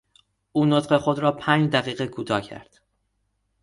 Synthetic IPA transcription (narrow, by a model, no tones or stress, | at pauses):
uːnot̪ɢe̞xod̪ɾɒːpʰæːnd͡ʒd̪æɣiːɣekʰuːt̪ʰɒːcʰæ̰ɾd̪̥